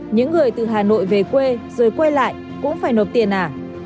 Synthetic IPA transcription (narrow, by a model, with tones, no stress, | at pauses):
ɲɨ̰˧˥ŋːɨ˨˩əjt̪ɨ˨˩ɦaː˨˩no̰˧˨jve˨˩kwe˧zoː˨˩jkwe˧la̰ː˧˨j | kʊ̰˧˥ŋ͡mfaː˧˩jno˨˩p̚t̪i˨˩ənːʔaː˨˩